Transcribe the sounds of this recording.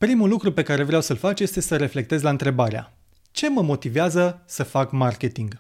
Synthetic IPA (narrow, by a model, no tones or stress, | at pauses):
pɾimulːukɾupe̞kaɾevɾeawsəlfat͡ʃje̞st̪e̞səɾe̞fle̞k̚t̪ezʲlaɨnt̪ɾe̞baɾea̰ | t͡ʃe̞məmo̞t̪iveazəsəfakmarke̞t̪iŋɡ